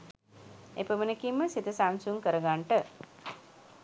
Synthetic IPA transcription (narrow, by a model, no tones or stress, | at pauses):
epəmənekimːəsit̪əsaŋsuŋkəɾəɡaɳʈə